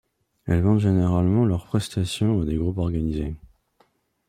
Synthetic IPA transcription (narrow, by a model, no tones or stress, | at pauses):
ɛlvɑ̃t̪ʒeneʁalmɑ̃lœʁpχɛst̪asjɔ̃ad̪eɡʁupɔʁɡanize